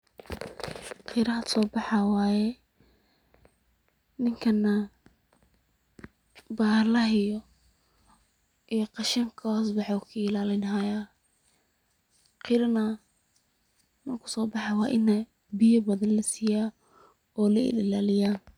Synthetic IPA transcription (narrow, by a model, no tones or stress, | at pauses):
qʰiɾɐɦɐsɔːbɑħɑwɑːjɛ | nɪŋkʰɐnːɐ | baːlɐɦɪjɔ | ʔijɔqɑʃɐŋkʰɔsbɑħɔkʰʊɪlaːlɪnɦɐjaː | qɪɾɐnɐ | nɐkʰʊ̥sɔːbɑħɑwɑːʔɪnːɐ | bɪjɔbɐðɐnlɐsiːjaː | ɔːlɐɪ̰lɪlaːlɪjaːn